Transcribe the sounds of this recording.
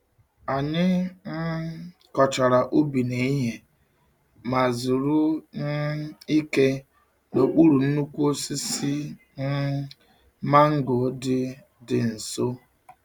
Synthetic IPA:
a˨ɲɪ˦n̩˦ | kɔ˨t͡ʃa˨ɾa˨ʔu˦bi˨ne˨i˦ɦe˨ | ma˨zu˨ɾu˦n̩˦i˦ke˦ | no˨k͡pu˦ɾu˨n̩˦nu˦kʷu˦o˦si˦si˦ | n̩˦ | ma˦ŋ̩˦ɡʊ˨dɪ˦ | dɪ˨n̩˨so˦

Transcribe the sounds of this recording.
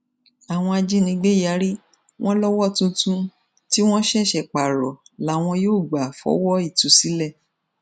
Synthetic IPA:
a˨w̃ɔ̃˧a˧d͡ʒi˦nĩ˧ɡ͡be˦ja˨˦ɾi˦ | w̃ɔ̃˦lɔ˦wɔ˦tũ˧tũ˧ | ti˦w̃ɔ̃˦ʃɛ˦˨ʃɛ˨k͡pa˨ɾɔ˨la˨˦˨w̃ɔ̃˧joː˦˨ɡ͡ba˨fɔ̰˨˦wɔ˦i˦˨tũ˨˦si˨˦lɛ˦˨

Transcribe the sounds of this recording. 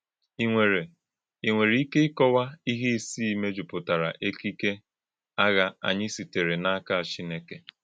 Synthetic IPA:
i˨ŋʷe˨ɾe˨ | i˨ŋʷe˨ɾi˨˦i˦ke˦ɪ˦kɔ˦wa˦i˦ɦi˦si˦i˦me˦d͡ʒu˨pʊ˨ta˨ɾa˨ʔe˦ki˦ke˦ | a˦ɣa˦a̰˨ɲɪ˦si˨te˨ɾe˨na˦ka˦a˨t͡ʃi˦ne˦ke˨

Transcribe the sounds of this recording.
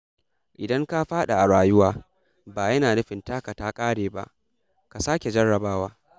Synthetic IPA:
ʔɪ˨dɐ˦ŋka˦ɸaː˦ɗa˨ʔa˨ɽaː˨jʊ˦waː˦ | baː˨jɐ˦naː˨nɐ˦ɸɪ˨ntaː˦ka˨taː˦kʼaː˦ɽeː˨ba̰˦˨ʔ | ka˨saː˦kʲe˨d͡ʒɐ˦ɽːɐ˨baː˦waː˦

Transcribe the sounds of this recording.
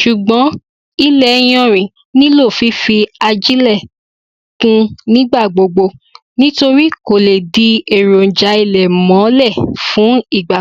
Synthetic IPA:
ʃu˨ɡ͡bɔ̃˨˦ | i˦lɛ˨j̃ɔ̃˦˨ɾ̃ĩ˨ | nĩ˦lo˦˨fi˧˦fi˧a˧d͡ʒi˦lɛ˦˨ | kũ˦nĩ˦ɡ͡ba˦˨ɡ͡bo˨ɡ͡bo˧ | nĩ˦to˧ɾi˦ko˨le˨di˨˧e˨ɾo˨n̩˨d͡ʒa˨˦i˧˨lɛ˨mɔ̃˨˦lɛ˦˨fũ˨˦i˦˨ɡ͡ba˨

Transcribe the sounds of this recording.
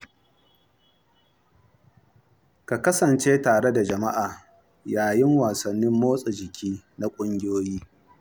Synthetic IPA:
ka˨kɐ˦sɐ˨nt͡ʃeː˦taː˨ɽe˦da˨d͡ʒɐ˨ma˦ʔaː˨ | jaː˨jɪ˦ŋwaː˨sɐ˨nːɪ˦mːoː˦sʼe˨d͡ʒɪ˨kʲʰiː˦na˦kʷʼʊ˦ŋɡʲɪ˦joː˦jiː˦

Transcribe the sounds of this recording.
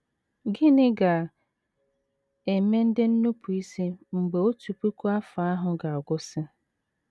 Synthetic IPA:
ɡɪ˦nɪ˦ɡa˨ | e˨me˦n̩˦dɪ˦n̩˦nu˦pʰʊ˨i˦si˦ŋ͡m̩˨ɡ͡be˨o˦tu˨pu˦kʷu˦a˦fa˨a˦ɦʊ˨ɡa˨a˨ɡʷʊ˦sɪ˦

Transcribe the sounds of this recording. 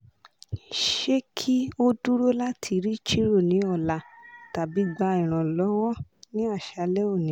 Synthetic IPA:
ʃe˦kʰi˦o˦du˦ɾo˦la˦tʰi˧ɾi˦t͡ʃi˦ɾo˦˨nĩ˨˦ɔ˦˨la˨ta˨bi˨˦ɡ͡ba˧˦ĩ˨ɾ̃ã˨lɔ˨˦wɔ˦nĩ˦a˦˨ʃa˧lɛ˦o˦˨nĩ˨˦

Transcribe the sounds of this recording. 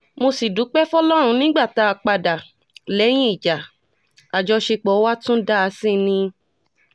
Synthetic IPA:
mo˧si˨du˨˦k͡pɛ˦fɔ˦lɔ˦ɾ̃ũ˧nĩ˦ɡ͡ba˦˨ta˧˦a˧˨k͡pa˧da˨ | lɛ˨˦j̃ĩ˦i˦˨d͡ʒa˨ | a˨d͡ʒɔ˧ʃe˧k͡pɔ˨˦wa˦tũ˦da˦a˧sĩ˦˨nĩ˧

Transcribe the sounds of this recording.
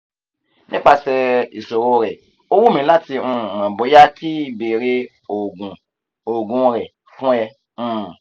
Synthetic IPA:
nḭ̃˦k͡pa˧sɛ˧i˨so˨ɾo˧ɾɛ˨ | o˧wu˦mĩ˨˦la˦ti˧ũ˧˨ã˨bo˨˦ja˦kʰi˦˧˦be˨ɾe˦ | o˨ɡũ˨ | o˨ɡũ˨˧ɾɛ˨ | fũ˦ɛ˧ | ũ˦˨

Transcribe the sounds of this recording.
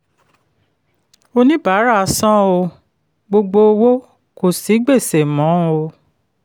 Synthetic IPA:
o˧nĩ˦ba˨˦ɾa˦˨˧sã˦o˧ | ɡ͡bo˧ɡ͡bo˧o˧wo˦ | ko˨si˨˦ɡ͡be˦˨se˨mɔ̃˨˦o˧

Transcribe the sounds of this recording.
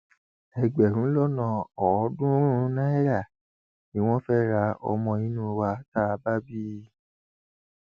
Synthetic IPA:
ɛ˨ɡ͡bɛ˨ɾ̃ũ˨˦lɔ˦nã˧˨ɔ˨˦dũ˦ɾu˦nã˦ɛ˦ɾa˦˨ | nĩ˦w̃ɔ̃˦fɛ˦ɾa˧˦ɔ̰˧mɔ̃˧ĩ˨˦nũ˦˧wa˧ta˦˧ba˦bi˦

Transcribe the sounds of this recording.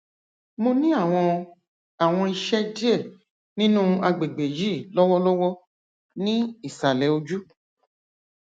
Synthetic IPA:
mo˧nĩ˦a˦˨w̃ɔ̃˧ | a˨w̃ɔ̃˧i˧ʃɛ˦di˦e˦˨ | nĩ˦nũ˦a˧ɡ͡be˨ɡ͡be˨ji˦˨lɔ˦wɔ˦lɔ˦wɔ˦ | nĩ˦i˦˨sa˨lɛ˨˦o˧d͡ʒu˦

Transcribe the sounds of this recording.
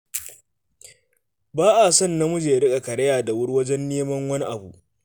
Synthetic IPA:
baː˦ʔa˨sɐ˦˨nːa˦mʊ˦d͡ʒeː˨ɾɪ˦kʼa˨kɐ˨ɽɐ˦jaː˨da˨wʊ˦ɽwɐ˦d͡ʒɛ˦nːeː˦mɐ˦ŋwɐ˦ni˦ʔa̰˨bu˨ʔ

